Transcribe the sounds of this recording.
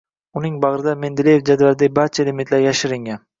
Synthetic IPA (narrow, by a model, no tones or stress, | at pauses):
ʊnɪŋbɑʁɾɪd̪ame̞nd̪ɪlejefd͡ʒad̪vaɾd̪abaɾt͡ʃʰalemɪt̪laɾjaʃɪɾɪŋʲan